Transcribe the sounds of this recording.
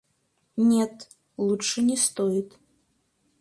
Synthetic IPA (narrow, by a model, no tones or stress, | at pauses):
nʲɛt̪ | lˠuʂɨnʲɛst̪ɔjit̪